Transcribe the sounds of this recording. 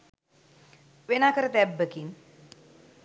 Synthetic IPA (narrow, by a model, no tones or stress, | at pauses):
ʋenakəɾt̪ɛbːəkin